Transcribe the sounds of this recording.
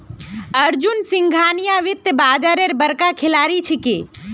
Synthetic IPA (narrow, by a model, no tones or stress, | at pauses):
əɾd͡ʒunsɪ̃ŋɡʱanijaʋɪt̪ːbaːd͡ʒaɾeɾbəɾkakʰɪlaɾit͡ʃʰeke